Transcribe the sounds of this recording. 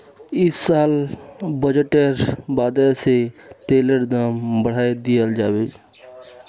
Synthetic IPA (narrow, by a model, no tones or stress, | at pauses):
ɪsːaːlbəd͡ʒəʈeɾbaːd̪eset̪eːləɽd̪aːmbəɽ̤aːed̪ɪjəld͡ʒaːweː